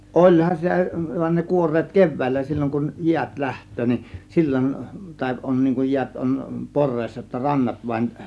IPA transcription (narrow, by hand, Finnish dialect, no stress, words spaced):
olʲhɑn sitæ ʋɑnʲ ne kuorˑeːt keʋˑæˑilːæ silʲːoŋ kuj jiæt læhtˑøː nin silʲːon tɑˑe̝ ʔon niːŋ kuj jiæt on porˑeːsːɑ jotːɑ rɑnːɑt ʋɑĭn